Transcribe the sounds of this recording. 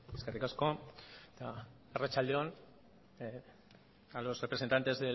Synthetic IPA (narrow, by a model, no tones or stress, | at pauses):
eskerikasko̞t̪a | erat͡ʃald̪eon | alo̞srepɾesent̪ant̪e̞zðe